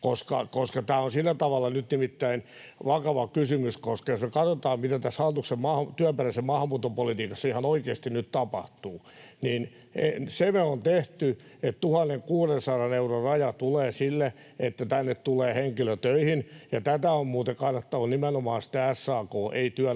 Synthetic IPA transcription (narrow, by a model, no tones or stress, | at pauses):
koskɑ̰koskɑt̪æːonsilːæt̪ɑʋɑlːɑnyt̪nimit̪ːæin | ʋɑkɑʋɑkysymyskoskɑjosmekɑt̪ot̪ɑːmmit̪æt̪æshɑlt̪uksemmɑːhɑt̪yæmperæsemmɑːhɑmːuːt̪ːopolit̪iːkɑsːɑihɑnoikeːst̪innytt̪ɑpɑht̪uː | niːn | esemeont̪eht̪yett̪uhɑnːeŋkuːrensɑrɑneurorrɑjɑt̪uleːsilːe | et̪ːæt̪ænːett̪uleːheŋkiløt̪øihinjɑt̪æt̪æommuːt̪ekɑnːɑt̪ːɑʋɑnimenomɑːnsi̥t̪ææsːɑːkoːʔḛit̪yæ